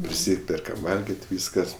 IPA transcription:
pʲrʲɪˈsʲiːpʲɛrkɐm ˈʋɐlʲɡʲɪtʲ ˈʋʲiːskɐs

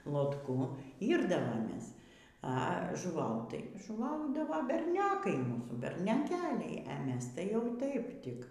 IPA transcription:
lˠoːtˈkʊ ˈiːrdɐʋoːmʲeːs ɐ ʒʊˈʋɐʊt tɐɪ ʒʊˈʋɐʊdɐʋɐ bʲɛrʲˈnʲoːkɐɪ ˈmuːsuː bʲɛrʲnʲoːˈkʲæːlʲɛɪ ɐ ˈmʲɛs tɐɪ jɛʊ ˈtɐɪp ˈtʲɪk

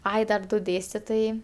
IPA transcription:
ˈɐɪ dɐr ˈdʊ ˈdʲeːsʲtʲɪtʊjɛɪ

